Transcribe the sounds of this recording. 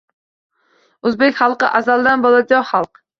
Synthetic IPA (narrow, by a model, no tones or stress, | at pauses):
øzbɪkʲχɑlˠqəʔɑzɑlˠd̪ænbolˠɑd͡ʒɑχɑlˠq